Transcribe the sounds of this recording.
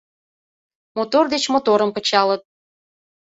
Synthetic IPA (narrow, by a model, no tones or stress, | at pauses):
mot̪ord̪et͡ɕmot̪oɾəmpə̆t͡ɕɑlət̪̚